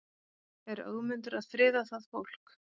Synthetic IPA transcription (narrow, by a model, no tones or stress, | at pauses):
ɛɾœ̰ːðmʏnt̪ʏɾaðfɾɪːðaθaðfowl̥k